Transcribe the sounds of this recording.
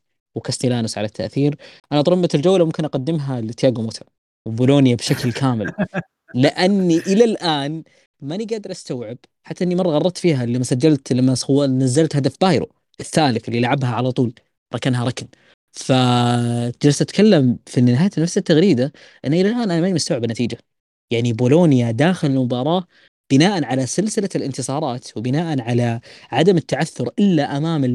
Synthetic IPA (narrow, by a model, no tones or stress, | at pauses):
wkast̪ilaːnʊsʕalat̪ʰːa̰ʔθiːɾʔanat̪ˤɾˤʊmːat̪ɪld͡ʒawːlamʊmkɪnʔɑqad̪ːɪmɦalɪt̪jaːɡumoːt̪ʰa | wbʊloːnjabʃaklkʰaːmɪl | lɪʔanːiʔɪlalʔaːn | maniɡaːd̪ɪɾˤʔast̪awʕɪb̥ | ħat̪ːaʔɪnːimɑrˤːɑɣɑˤɑɾˤt̪fiːɦalːamːasad͡ʒːalt̪lamːasɑwːnazːalt̪had̪afbaːjɾo̰ | ʔɪθːaːlɪθʔɪlːilʕabɦaʕalat̪ˤuːl | ɾˤɑkanɦaɾˤɑkn | fa | ɪd͡ʒɾɑsʔat̪kalːamfinɪɦaːjat̪nafsat̪ːaɣɾiːd̪a | ʔɪnːʔɪlalʔaːnʔanamanmast̪awʕɪbnːat̪iːd͡ʒa | jaʕniboːloːnjad̪aːxɪlɪlmʊbɑːɾˤɑː | b̥ɪnaːʔanʕalasɪlsɪlalɪnt̪ɨsˤɑːɾˤɑːt̪wbɪnaːʔanʕalaʕad̪amɪt̪ːaʕaθːʊɾʔɪlːaʔamaːmɪ